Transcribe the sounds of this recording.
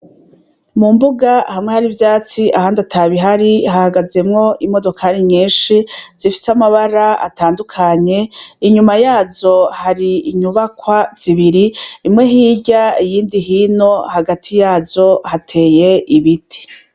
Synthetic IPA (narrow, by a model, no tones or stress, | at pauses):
mumbuɡahamŋehaɾivjaːt͡siʔahaːndatʰaβiɦaɾihahaɡaze̞mŋo̞ʔimo̞do̞kʰaɾiɲiːnʃiz̥ifi̥samaβaɾaa̰taːndukʰaɲe̞iɲumajaːzo̞haɾiːɲuβakwaz̥iβiɾiːmŋe̞ɦiːɟaijiːndiɦino̞haɡatʰijaːzo̞hatʰe̞ːje̞iβitʰi̥